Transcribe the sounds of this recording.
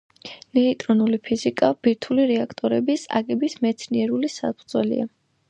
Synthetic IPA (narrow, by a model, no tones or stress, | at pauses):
nɛit̪ʼɾɔnulipʰizikʼab̥iɾt̪ʰuliɾɛakʰt̪ʼɔɾɛbisa̰ɡɛbismɛt̪sʰniɛɾulisaspʰʼɾd̪zwɛlḭa